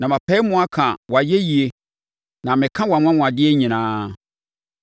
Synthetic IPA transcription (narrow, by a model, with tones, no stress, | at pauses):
nã˨mã˨pʰɛ˦mũ˦a˦kʰã˨wa˨je˦ji˨e˨ | nã˨mɪ̃˨kʰã˦wa˨m˦ã˦mũ˨a˨dɪ˦e˦ɲĩ˨nãː˨˦